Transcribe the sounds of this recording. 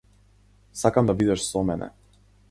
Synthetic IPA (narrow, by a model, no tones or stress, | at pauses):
sakamd̪abid̪ɛʃsɔmɛnʔɛ̰